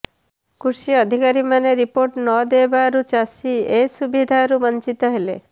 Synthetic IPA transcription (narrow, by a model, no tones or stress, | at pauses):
kuɾsiːd̪ʱikaɾimaneɾipoɾʈnɔd̪ebaɾut͡ʃasiesubid̪ʱaɾubɔnt͡ʃit̪ɔɦelḛ